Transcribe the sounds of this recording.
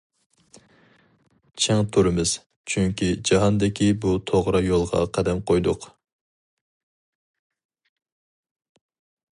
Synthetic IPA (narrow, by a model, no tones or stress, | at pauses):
t͡ʃʰɛŋt̪ʰuɾɨmɨz̥ | t͡ʃʰyŋkʲid͡ʒɑɦɑnd̪ɪkʲʰibut̪ʰoʁɾɑjolˠʁɑ̰qʰæd̪ɛmqʰojd̪ʊq